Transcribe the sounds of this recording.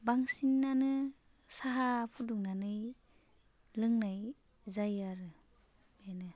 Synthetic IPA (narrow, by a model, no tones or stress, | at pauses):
baŋsinːanɯ | saɦapʰuduŋnanɯj | lɯŋnaj | zajaɾɯ | menɯ